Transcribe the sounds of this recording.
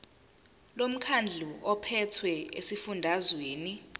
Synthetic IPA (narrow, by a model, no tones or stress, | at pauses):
lom̩kʰand͡ɮʱuʔɔpʰɛtʰwɛḛsifundʱazweːni